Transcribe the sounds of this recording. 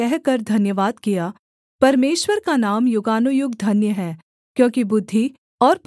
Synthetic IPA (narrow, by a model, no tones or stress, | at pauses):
ɛɦkɐɾd̪ʱɐnjəʋaːd̪kijaː | pɐɾmeːʃwəɾkanaːmjʊɡaːnujʊɡd̪ʱɐnjəɦɛː | kjõːkibʊd̪ʱːi | ɔːɾp